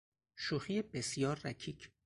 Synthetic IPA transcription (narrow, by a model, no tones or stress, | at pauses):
ʃuxijebesjɒːɾːæcʰiːcʰ